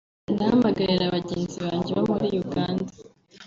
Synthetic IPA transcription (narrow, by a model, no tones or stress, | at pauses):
nahamaɡaɾiɾaβaɟeːnziβaːɲɟeβomuɾijuɡaːnda